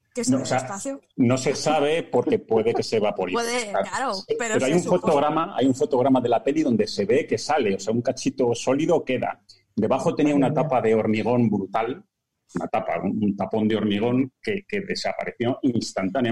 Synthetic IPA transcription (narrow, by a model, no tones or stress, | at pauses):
noosea | no̞se̞saβ̞e̞po̞ɾke̞pwe̞ðeke̞se̞βapo̞ɾiappeɾoajuɱfo̞t̪o̞ɣ̞ɾamaa̰juɱfo̞t̪o̞ɣ̞ɾamaðe̞lape̞liðo̞nd̪e̞se̞βe̞ke̞sale̞o̞seauŋkat͡ʃit̪o̞so̞liðo̞ke̞ða̰ | d̪e̞βaχo̞t̪e̞niaunat̪apaðe̞o̞ɾmiɣ̞o̞mbɾut̪al | una̰t̪apa̰ṵunt̪apo̞nd̪eo̞ɾmiɣ̞o̞ŋke̞ke̞ðe̞sa̰pa̰ɾe̞θjo̞inst̪ant̪anja